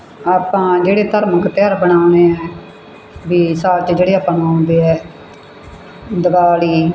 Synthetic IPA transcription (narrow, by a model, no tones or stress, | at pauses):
aːpãːd͡ʒeːɽeːt̪əɾməkt̪ɪjaːɾbəɳaːʊneːɛː | ʋiːsaːt͡ʃd͡ʒeːɽeːaːpãːnõnd̪eːɛː | d̪əbaːliː